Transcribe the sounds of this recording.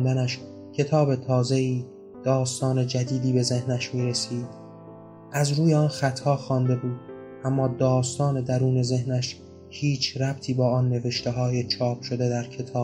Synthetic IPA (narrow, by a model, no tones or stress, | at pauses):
nd̪ænæʃ | cʰe̞t̪ʰɒːbe̞t̪ʰɒːze̞iː | d̪̥ɒːst̪ɒːne̞d͡ʒæd̪iːd̪iːbe̞ze̞hnæʃmiːɾesiːd̪̥ | ʔæzɾuːjeɒːnxæt̪ʰhɒːxɒːnd̪e̞buːd̪̥̚ | ʔæmːɒːd̪ɒːst̪ɒːne̞d̪æɾuːne̞ze̞hnæʃ | hiːt͡ʃʰɾæb̚t̪ʰiːbɒːɒːnːe̞ve̞ʃt̪eɦɒːjet͡ʃʰɒːp̚ʃo̞d̪e̞d̪æɾkʰe̞t̪ʰɒː